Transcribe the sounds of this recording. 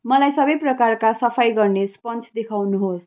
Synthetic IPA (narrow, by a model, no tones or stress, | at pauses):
mʌlajsʌbʌjprʌkarkasʌpʰajɡʌrnespʌnt͡sʰd̪ekʰawnuɦos